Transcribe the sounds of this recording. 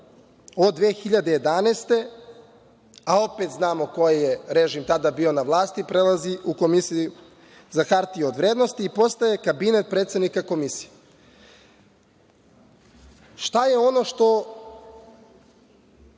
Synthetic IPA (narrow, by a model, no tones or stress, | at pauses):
od̪ʋeːxiʎad̪e̞je̞d̪anest̪e̞ | ao̞pe̞t̪znaːmo̞ko̞jejeɾeʒimt̪ad̪abio̞naʋlˠaːst̪ipɾelˠaziʔuko̞misiu | zaxaɾt̪iod̪ʋɾeːd̪no̞st̪iːpo̞st̪ajekabinet̪̚pɾet̪sed̪nikako̞misi̥je | ʃt̪ajeo̞no̞ʃt̪o̞